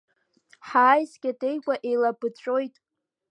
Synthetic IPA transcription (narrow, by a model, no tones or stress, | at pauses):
ħaːjzɡʲade̞jkʷʼaʔe̞jlabɨt͡ɕʷʼo̞jtʼ